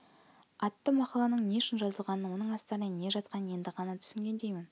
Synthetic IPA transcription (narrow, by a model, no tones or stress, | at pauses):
ɑt̪ːəmɑqɑlˠɑnəɴne̞ʃɪnʒɑzəlˠʁɑnəwo̞nəɴɑst̪ɑɾnene̞ʒɑt̪̚qɑnəje̞nd̪ɪʁɑnɑt̪ʰʏ̥sɪŋɡʲe̞nd̪e̞jmɪn